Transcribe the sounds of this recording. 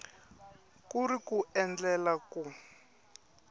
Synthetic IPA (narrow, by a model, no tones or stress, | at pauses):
kurikuɛnd͡ɮɛlaku